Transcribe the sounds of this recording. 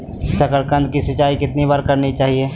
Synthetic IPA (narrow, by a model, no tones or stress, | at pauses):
sɐkəɾkə̃nd̪̚kisɐt͡ʃaːikɪt̪nibaːɾkɐɾnit͡ʃaːɦieː